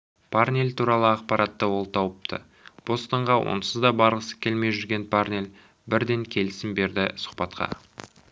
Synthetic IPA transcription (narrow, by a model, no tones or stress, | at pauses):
pʰarnʲelt̪ʰuɾɑlˠəɑq̚pɑɾʔɑt̪ːəwo̞lˠt̪ʰɑwəp̚t̪ʰə̰ | b̥o̞st̪ɑɴʁɑwʔo̞̰nsəzd̪ɑbɑɾq̪əsə̥kʲʰe̞lme̞jʒʏɾɡʲe̞npʰarnʲel | bɪɾd̪e̞ŋkʲʰe̞lɪsɪmbe̞ɾd̪ɪsʊ̥qpɑt̪qɑ̰